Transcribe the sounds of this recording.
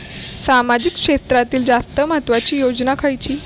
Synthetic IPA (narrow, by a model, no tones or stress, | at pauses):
samad͡ʑikkʂest̪ɾat̪iːld͡zast̪əməɦət̪ʋat͡ɕiːjod͡ʑnakʰajt͡ɕiː